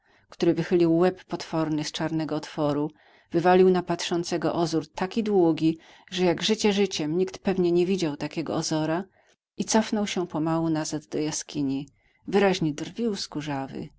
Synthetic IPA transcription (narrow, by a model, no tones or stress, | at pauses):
kt̪uɾɘvɘxɘlʲiwːɛpːɔt̪fɔɾnɘst͡ʂaɾnɛɡɔːt̪fɔɾu | vɘvalʲiwnapat̪ʂɔnt̪sɛɡɔ̰ʔɔzuɾt̪akʲid̪wuɡʲi | ʐɛjaɡʐɘt͡ɕɛʐɘt͡ɕɛmɲikt̪pɛvɲɛɲɛvʲid͡ʑawt̪akʲɛɡɔ̰ɔzɔɾa | it̪sɔfnɔwɕɛpɔmawunazad̪d̪ɔjaskʲiɲi | vɘɾaʑɲɛd̪rvʲiwskuʐavɘ̰